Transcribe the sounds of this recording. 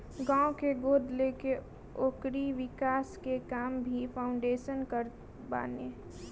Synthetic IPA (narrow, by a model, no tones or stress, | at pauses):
ɡãːõkeɡoːd̪leke | oːkɾiʋɪkaːskekaːmbʱipʰaʊ̃ɳɖeːʃənkəɾ | ba̰ːneː